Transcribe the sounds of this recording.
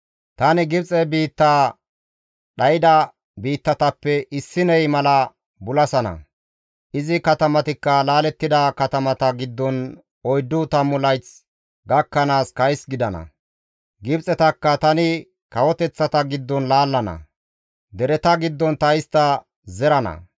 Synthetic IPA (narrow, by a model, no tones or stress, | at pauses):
t̪ɐnɪɡɪbt͡sʼɛbiːt̪ːaː | ɗɐjɪd̪ɐ | biːt̪ːɐt̪ɐpːɛʔɪsːɪnɛjmɐlɐ | bʊlɐsɐnɐ̰ | ʔɪzɪkɐt̪ɐmɐt̪ɪkːɐlaːlɛt̪ːɪd̪ɐkɐt̪ɐmɐt̪ɐɡɪd̪ːɔn | ɔjd̪ːʊt̪ɐmːʊlɐjt͡s | ɡɐkːɐnaːskɐjsɡɪd̪ɐnɐ̰ | ɡɪbt͡sʼɛt̪ɐkːɐt̪ɐnɪ | kɐwɔt̪ɛt͡sːɐt̪ɐɡɪd̪ːɔnlaːlːɐnɐ̰ | d̪ɛɾɛt̪ɐɡɪd̪ːɔnt̪ɐɪst̪ːɐ | zɛɾɐnɐ̰